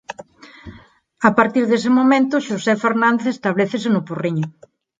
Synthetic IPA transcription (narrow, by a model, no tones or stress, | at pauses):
apaɾt̪iɾðes̬emomẽnt̪ʊʃosɛfeɾnãnd̪eθest̪aβ̞leθesenʊpuriɲʊ